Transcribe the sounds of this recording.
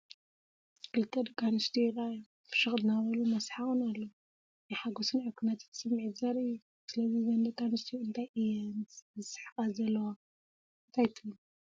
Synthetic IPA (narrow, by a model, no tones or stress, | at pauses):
kʰɨlɨt̪ʰːɐd̪ɐkʼːanɨst̪ʰiɛɾaju | fɨ̥ʃɨxʼd̪ɨnaβɐlumɐsħaɣunalːɐ | najħaɡosɨnʕɨkʰunat̪ʰit̪ʰsɨmːɨʕizɐɾɨːu | sɨlɐzizɐnd̪ɐkːanɨst̪ʰiɨnt̪ʰajʔijɛnzɨsɨ̥ħkʼazɐlːɐwa | ɨnt̪ʰajt̪ʰɨɨn